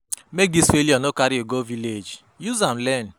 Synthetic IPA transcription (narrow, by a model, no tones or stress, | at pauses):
meɡisfeliɔnokaɾioɡoviled͡ʒ | juzam̩lɛn